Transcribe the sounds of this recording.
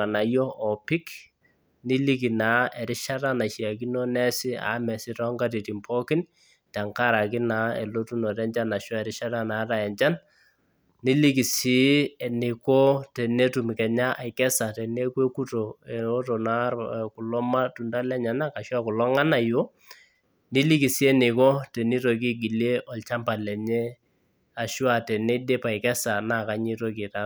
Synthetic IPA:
a˨na˨jɔ˦ɔ˨pɪ˦k | ni˦li˦ki˨na˨˦ɛ˨ɾɪ˦ʃa˦ta˦na˨ʃi˨a˨ki˦nɔ˦nɛ˦sɪ˦a̰˨˦mɛ˨sɪ˦tɔ˦ŋɡa˦ti˨ti˨mpʰɔ˦kɪ˦n | ta˨ŋka˦˨ɾa˨kɪ˦na˨ḛ˨lo˦tu˦nɔ˨tɛ˦ɲd͡ʒa˦na˨ʃɔ˦ɛ˨ɾɪ˦ʃa˦ta˦na˨˦ta˨jɛ˨ɲt͡ʃa˦n | ni˦li˦ki˨si˨˦ɛ˨ni˨ko˦tɛ˨ne˦tu˨mkɛ˨ɲa˦ʔa˨ɪkɛ˦sa˨tɛ˨ne˦kwe˦ku˦to˨e˨o˦to˨na˦ku˨lɔ˦ma˦tu˨nda˦lɛ˦ɲa˨na˦ka˨ʃwa˦ku˨lɔ˦ŋa˦na˨jo˦ | ni˦li˦ki˨si˦e˦nɪ˨kɔ˦te˨ni˦to˨k̬i˦ɡi˨le˦ʔɔ˨lt͡ʃa˦mpa˨lɛ˨ɲe˦ | a˨ʃwa˦tɛ˨ne˦de˦pa˨ɪ˨kɛ˦sa˨na˨ka˨˦ɲi˦to˦ki˨ta˦

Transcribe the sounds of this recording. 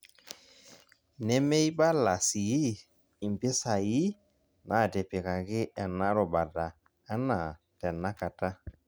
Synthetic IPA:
nɛ˦mɛ˦jba˦la˨si˨ji˦ | i˨m˨bɪ˦sa˨ji˦ | nʔa˨˦˨dɛ˨pe˨ka˨ɡɪ˦ʔa˨na˦ɾɔ˨ba˨da˨ | a˦na˨ | tɛ˨na˦ka˨ta˦

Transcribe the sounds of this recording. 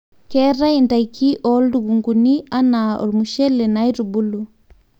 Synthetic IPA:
kɛ˦ɾa˦inda˨jkʰi˦ʔɔldu˨ɡu˨ŋɡu˨ni˦a˦nao̰˨lmu˨ʃɛ˦le˨najɾubu˦lu

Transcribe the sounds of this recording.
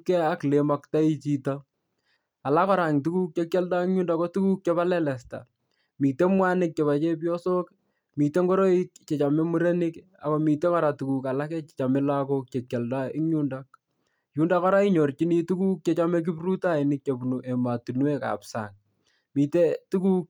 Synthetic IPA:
kɛ˦a˦klema˨kta˦i˦t͡ʃi˦ta˦ | a˨la˦kɔ˦ɾa˨ŋtu˦ku˦k̚t͡ʃe˦kje˦lda˦ɪ˦ŋɲu˦nda˨ko˦tu˦ku˦k̚t͡ʃe˦βa˦lɛ˦lɛ˨sta̰˨ | miː˨te˦mwa˦nɪ˦k̚t͡ʃe˨βa˨t͡ʃe˦p̬jɔ˦so˦k | mi˨te˦ŋɡo˦ɾo˦i˦kt͡ʃe˨t͡ʃa˨me˦mu˦ɾe˦nɪ˦k | a̰˨ko˦mi˨te˦kɔ˦ɾa˨tu˨ku˨ka˨la˦ke˦t͡ʃet͡ʃa˨me˦lakok̚t͡ʃe˨kja˨lda˦ɪ˦ŋɲu˦ndak̚ | ju˦nda˦kɔ˦ɾa˦i˦ɲo˨rt͡ʃi˦ni˦tu˦ku˦k̚t͡ʃe˦t͡ʃame˦k̬i˦pru˦ta˦˨i˨nɪ˦k̚t͡ʃe˨pnu˨ʔe˨ma˨tu˨nu˦e˦ka̰ːpsa̰˨ŋ | mi˨te˦tu˦ku˦k̚

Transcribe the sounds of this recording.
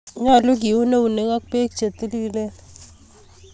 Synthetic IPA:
ɲa˦˨lu˦k̬i˨wu˦ne˦u˨ne˨˦ŋa˦k̚pe˦k̚t͡ʃe˨ti˦li˦le˦

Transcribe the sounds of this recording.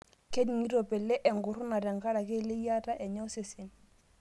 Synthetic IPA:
ke˦ni˨ŋi˦ɾo˨pe˨le˦ʔɛ˨ŋɡʊ˨ɾʊ˦na˨ɾɛ˨ŋ˨ka˦ɾa˨ke˦˨le˦ja˦ta˦ʔɛ˨ɲɔ˦se˨se˨n

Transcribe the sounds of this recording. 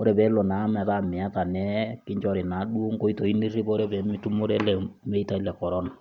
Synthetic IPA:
o˦ɾɛ˨bɛ˨˦lo˨na˨˦mɛ˨ta˦˨mɪ˨a˦ta˨nɛ˦kɪ˦ɲd͡ʒɔ˦ɾi˨na˨˦ɗu˦o˦ŋko˦i˦to˨i˦ni˦ri˦bo˦ɾɛ˦bɛ˨˦mi˦tu˦mo˦ɾɛ˦lɛ˨me˦i˦ta˦i˦lɛ˨kɔ˨ɾɔ˦na˨

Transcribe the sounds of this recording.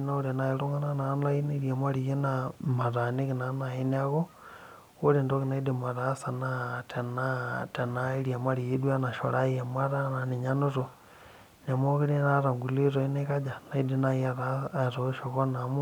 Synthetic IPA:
na˦oɾena˨iɾo˦ŋa˦na˦na˨˦na˦ineɾja˨ma˦ɾi˨je˦nama˨ɾa˨ni˦kina˨na˨e˦nia˦ɣo˦ | o˦ɾe˨ndo˦kina˦idima˨ɾa˦sa˨natʰe˨nate˨na˦i˦ɾja˨ma˦ɾi˨e˦dwa˦na˨ʃo̰˨ɾa˦ie˨ma˦ɾa˦na˨ni˨ɲa˦no˦to˨ | ɲa˨moki˦ɾina˦ɾa˨ŋɡu˨li˦ɾo˨i˦neka˦d͡ʒa˨na˨i˦dina˦ia˦ɾatoʃo˨ɣo˦na˨m

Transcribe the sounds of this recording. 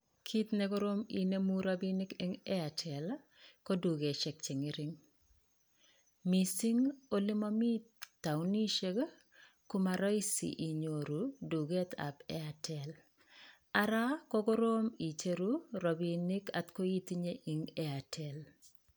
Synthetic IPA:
kʰi˦t̪ne˦ko˦ɾo˦mi˨ne˦mu˦ɾa˦binɪ˦ke˦ŋɛ˦a˨tʰɛ˨l | ko˦du˨ɡe˨ʃɛ˨k̚t͡ʃɪ˨ŋɪ˦ɾɪŋ | mi˨si˦ŋo˦lɪ˦mɔ˦mi˦tːa˨wni˦ʃe˦ɡ | kʊ˦ma˨ɾɔ˦ɪ˦sḭ˨ʔi˨ɲo˨ɾu˨du˨ɡɛ˦t̪ʰa̰˨bɛ˦a˨tʰɛ˨l | aɾa˦kɔ˦ɡɔ˦ɾo˦mi˨t͡ʃe˦ɾuɾɔ˨bi˨nɪ˦ka˨t̪ko˦i˦t̪i˦ɲe˦ʔi˨ŋɛa˨tʰɛ˨l

